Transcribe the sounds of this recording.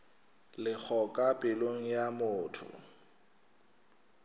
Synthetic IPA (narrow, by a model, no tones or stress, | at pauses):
lɪk͡xʰɔkʼapʼɪloŋ̩jamʊːtʰʊ̰